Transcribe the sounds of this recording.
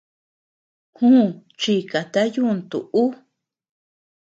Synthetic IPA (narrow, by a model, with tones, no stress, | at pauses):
hũ˦˨t͡ʃi˧˨ka˨t̪a˦ju˦˧nt̪ṵ˨ʔu˦